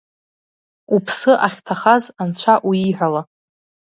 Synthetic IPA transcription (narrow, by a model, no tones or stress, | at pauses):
upʰsɨʔaχʲtʰaχazant͡ɕʷʰaʔuiħʷᶣala